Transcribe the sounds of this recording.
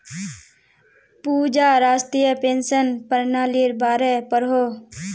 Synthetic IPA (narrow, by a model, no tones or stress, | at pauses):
puːd͡ʒaːɾaːst̪ijəpeːnsənpəɾnaːliɾbaːɾepəɾɦoː